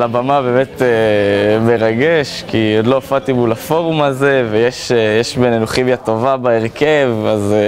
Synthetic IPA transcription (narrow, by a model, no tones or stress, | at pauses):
labamabeːmet̪eme̞ʁaɡeʃkiodloafatimulafo̞ʁumaze̞vejeʃjeʃbenenuχimjato̞vabaeʁke̞vaz